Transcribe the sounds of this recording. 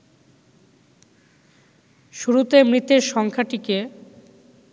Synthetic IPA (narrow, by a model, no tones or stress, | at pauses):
ʃuɾut̪emɾit̪eɾʃɔŋkʰaʈike